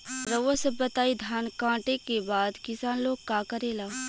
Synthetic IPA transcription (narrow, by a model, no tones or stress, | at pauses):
ɾəʋəsɐbɐt̪aːid̪ʱjaːnkãːʈekebaːd̪kɪsaːnloːɡ̚kaːkəɾeːlaː